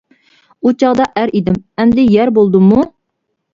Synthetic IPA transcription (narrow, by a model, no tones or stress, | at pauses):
ut͡ʃʰɑʁd̪ɑʔæɾid̪ɪmɛmd̪ɪjɛɾbolˠd̪ɨmu